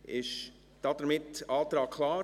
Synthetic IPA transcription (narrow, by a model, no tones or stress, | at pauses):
ɪʃ | d̥ɑd̥əɾmɪtɑːt̪ɾɑːkkʰlɑː